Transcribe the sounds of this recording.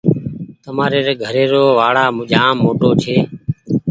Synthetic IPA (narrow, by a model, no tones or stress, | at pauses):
t̪əmaːɾeːɾeːɡʱəɾeːɾoːʋaːɽaːmʊʄãːmːoːʈoːt͡ʃʰeː